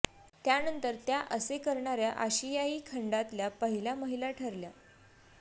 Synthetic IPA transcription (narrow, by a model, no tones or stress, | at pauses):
t̪janənt̪əɾt̪jaʔəsekəɾɳaɾjaʔaɕijaiːkʰəɳɖat̪ljapəɦiljaməɦilaʈʰəɾlja